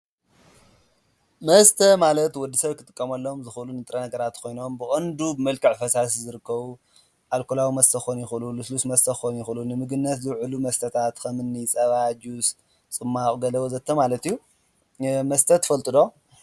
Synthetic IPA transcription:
mɐst̪ʰɐmalɐt̪wɔd̪ːisɐβkʰɨt̪ʼɨkʼːɐmɐlːo̞mzɨxlunɨt̪ʼɾɐnɐɡɐɾat̪kʰo̞jno̞mbɨkʼɐnd̪ubɨmɐlkʰɨʕfɐsas̬izɨɾɨkːɐβu | ʔalkʰolawimɐst̪ʰɐxonjɪxɨlulɨslusmɐst̪ʰɐxonjɪxɨlunɨmɨɡɨnːɐt̪zɨwʕɨlumɐst̪ʰɐt̪ʰat̪kʰɐmɨnːit͡sʼɐβad͡ʒus | t͡sʼɨmːaχʼɡɐlɐwozɐt̪ʰːɐmalɐt̪ijːu | mɐst̪ʰɐt̪ʰɨ̥fɐlt̪ʼɨd̪o̞

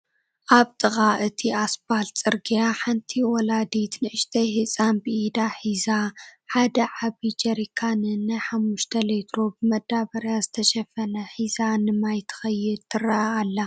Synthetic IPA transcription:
ʔaβt̪ʼɨxʼaʔɨt̪ʰiʔasbalt͡sʼɨɾɡijaħant̪ʰiwɔlad̪it̪nɨʔɨʃt̪ʰɐjhɨt͡sʼanbɨʔid̪aħizaħad̪ɐʕaβid͡ʒɐɾikʰanɨɨnːajħamːuʃt̪ʰɐlet̪ʰɾobɨmɐd̪ːaβɐɾjazɨt̪ʰɐʃɐfɐnɐħizanɨmajt̪ʰɨ̥xɐjːɪd̪t̪ʰɨɾɐʔaalːa

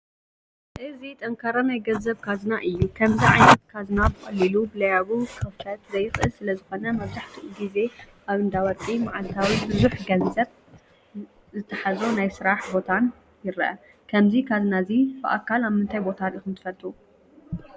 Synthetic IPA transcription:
ʔɨzit̪ʼɐŋkʰaɾɐmajɡɐzɐβkʰaznaʔɨjːukʰɐmziʕajnɐt̪kʰazɨnabɨxʼɐlːilubɨlɐjaβukʰɐft̪ʰɐt̪zɐjɨxʼɨsɨlɐzɨxo̞nɐmɐβzaħt̪ʰiʔuɡize̞ | ʔaβɨnd̪awɐt̪ʼimaʕalt̪ʰawibɨzuħɡɐnzɐβ | zɨt̪ʰɐħazonajsɨɾaħbo̞t̪ʰan | jɪɾʔɐ̰ | kʰɐmzikʰazɨnazibɨʔa̰kʰːalaβmɨnt̪ʰajbo̞t̪ʰaɾʔixɨnt̪ʰɨ̥fɐlt̪ʼu

